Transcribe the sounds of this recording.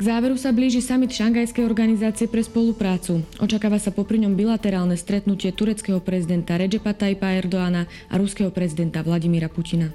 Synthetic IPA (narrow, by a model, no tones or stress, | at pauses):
ɡ̥zaːʋɛɾusabliːʒisamit̪ʃaŋɡajskɛjɔɾɡanizaːt͡sɪɛpɾɛspɔlupɾaːt͡suɔ̰t͡ʃakaːʋasapɔpɾiɲɔmbilat̪ɛɾaːlnɛst̪ɾɛt̪nucɪɛt̪uɾɛt͡skɛɦɔpɾɛzid̪ɛnt̪aɾɛd͡ʒɛpat̪aipaɛɾd̪ɔaːna | ʔa̰ɾuskɛɦɔpɾɛzid̪ɛnt̪aʋlaɟimiɾapucina